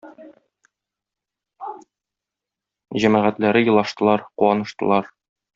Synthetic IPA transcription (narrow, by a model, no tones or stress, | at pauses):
ʑæmæʁæt̪læɾɘjɤ̆lˠɑʃt̪ɤ̆lˠɑɾquwɑnɤ̆ʃt̪ɤ̆lˠɑɾ